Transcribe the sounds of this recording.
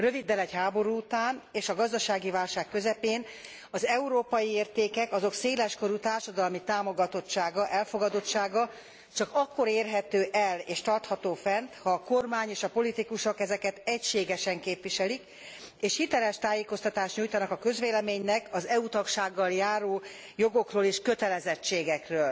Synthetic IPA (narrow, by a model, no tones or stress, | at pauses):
røvid̪ːɛlɛcɦaːbo̞ɾuːt̪aːneːʃɒɡɒzd̪ɒʃaːɡivaːlʃaːkːø̞zɛpeːn | ɒzɛuɾoːpɒjieːrt̪eːkɛkɒzo̞kseːlɛʃko̞ɾut̪aːrʃɒd̪ɒlmit̪aːmo̞ɡɒt̪o̞tt͡ʃaːɡɒʔɛlfo̞ɡɒd̪o̞tt͡ʃːʃaːɡɒ | t͡ʃɒkɒkːo̞ɾeːrɦɛt̪øːʔɛleːʃt̪ɒrt̪hɒt̪oːfɛnt̪hɒːko̞rmaːɲeːʃɒpo̞lit̪ikuʃo̞kɛzɛkɛt̪ɛcʃeːɡɛʃɛŋkeːpʋiʃɛlik | eːʃhit̪ɛlɛʃt̪aːjeːko̞st̪ɒt̪aːʃt̪ɲujt̪ɒnɒkɒkø̞zʋeːlɛmeːɲnɛkɒzɛut̪ɒkʃaːɡːɒljaːɾoː | jo̞ɡo̞kroːleːʃkø̞t̪ɛlɛzɛt͡ʃːeːɡɛkrøːl